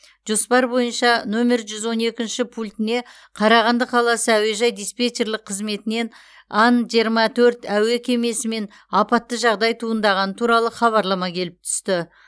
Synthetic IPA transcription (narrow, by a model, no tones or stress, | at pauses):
ʒ̥o̞spɑɾbo̞jənʃɑno̞me̞ɾʒʏzwo̞ne̞kʲɪnʃɪpʰulʲt̪ɪne̞ | qʰɑɾɑʁɑnd̪əqʰɑlˠɑsəæwe̞ʒɑjd̪ijspʲet̪e̞rlˠɪqʰːəzme̞t̪ɪne̞n | ɑnʒijəɾmɑt̪ʰɵɾt̪æwe̞kʲʰe̞me̞sɪme̞n | ɑpɑt̪ːəʒɑʁd̪ɑjt̪ʰuənd̪ɑʁɑnət̪ʰuɾɑlˠəχɑβɑɾlˠɑmɑkʲʰe̞lɪp̚t̪ʰʏ̥st̪ɪ